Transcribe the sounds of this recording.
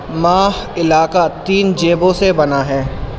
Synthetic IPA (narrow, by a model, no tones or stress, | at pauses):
maːhɪlaːkat̪iːnd͡ʒeːbõsebɐnaɦɛː